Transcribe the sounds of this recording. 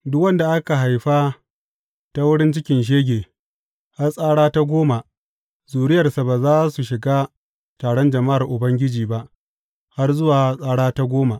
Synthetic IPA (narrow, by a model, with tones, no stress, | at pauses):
dʊ˦kwɐ˦nda˨ʔa˦ka˨ɦa˨jɸa˦ | ta˦wʊ˦ɽɪ˦nt͡ʃɪ˦kʲɪ˨nʃ̬eː˦ɡʲeː˨ | ha˦rsʼaː˦ɽaː˦ta˦ɡʷoː˦ma˨ | zuː˨ɾɪ˦jɐ˨rsa˨baː˨zaː˦su˨ʃɪ˨ɡaː˦ | taː˨ɽɔ˦nd͡ʒɐ˨ma˦ʔa˨rʔʊ˨bɐ˦ŋɡʲɪ˦d͡ʒiː˨ba˦ʔ | ha˦rzʊ˦waː˨sʼaː˦ɽaː˦ta˦ɡʷoː˦ma˨ʔ